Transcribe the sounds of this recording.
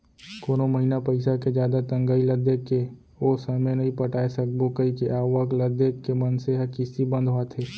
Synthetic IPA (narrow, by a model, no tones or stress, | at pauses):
koːnoməɦinapəɪsaked͡ʒjaːd̪at̪ə̃ŋɡaːiləd̪eːkːe | oːsəmenəɦĩpəʈaːesək̚bokəikeʔaːwəɡləd̪eːkːemənseɦəkɪsibə̃nd̪ʱɦoat̪ʰeː